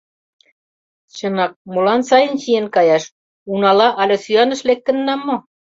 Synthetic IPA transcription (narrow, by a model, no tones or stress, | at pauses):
t͡ɕɤ̆nɑk̚molɑnsɑjə̆nɕijenkɑjɑʃ | unɑlɑʔɑlʲĕsyɑnə̆ʃlek̚t̪ə̆nːɑmːo